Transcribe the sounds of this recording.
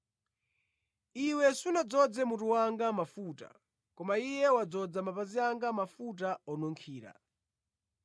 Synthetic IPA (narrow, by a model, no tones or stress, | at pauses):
iwɛsunad͡zɔd͡zɛmutuwaŋɡamafuːta̰ | kɔmaijɛwad͡zɔd͡zamapaziaŋɡamafut̬aɔnɔŋkʰiːɾa̰